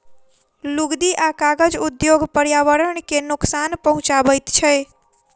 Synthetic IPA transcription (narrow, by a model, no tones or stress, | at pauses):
luɡd̪iʔakaɡəd͡ʒud̪joɡpəɾjaʋəɾəɳkenʊksanpəɦũt͡ʃaʋəjt̪t͡ʃʰɛ